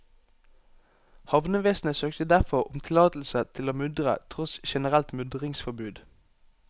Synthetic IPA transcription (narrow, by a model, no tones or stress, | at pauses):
hɑʋnəʋeːsn̩əsøːkt̪əd̪æʁfɔʁʊmt̪ʰɪlɑːt̪l̩sət̪ʰɪloːmʏd̪ʁə̰t̪ʰʁɔsʃɛnəʁɛlt̪mʉd̪ʁɪŋsfɔbʉːd̪